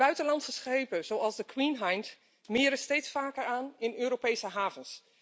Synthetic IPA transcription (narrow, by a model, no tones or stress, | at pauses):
œɥtəlɑntsəsχrejpəz̥owɑlˠzdəkʰwinɦajnt | mɪːɾəstejtsfaːkəɹaːnɪnøːropejsəɦaːvəns